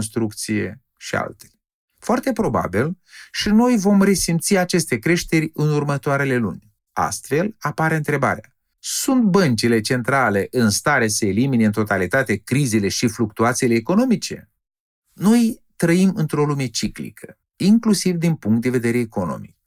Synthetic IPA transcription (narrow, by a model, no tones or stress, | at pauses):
nst̪ɾuk̚t̪sije̞ | ʃia̰lt̪el | foart̪e̞pɾo̞ba̰bilʃino̞jvo̞mre̞simt̪siat͡ʃe̞st̪e̞kɾe̞ʃt̪e̞ɾʲɨnurmət̪oaɾe̞le̞lṵnʲ | a̰st̪fe̞lapaɾeɨnt̪ɾe̞ba̰ɾea̰ | sunt̪̚bənt͡ʃile̞t͡ʃe̞nt̪ɾale̞ʔɨnst̪aɾeseːlimineɨnt̪ot̪alit̪at̪e̞kɾizile̞ʃifluk̚t̪uat̪sile̞ːko̞no̞mit͡ʃe̞̰ | no̞j | t̪ɾəimɨnt̪ɾo̞lume̞t͡ʃiklḭkʰə̥ | iŋklusivd̪inpuŋk̚t̪̚d̪eve̞d̪e̞ɾe̞ːko̞no̞̰mḭj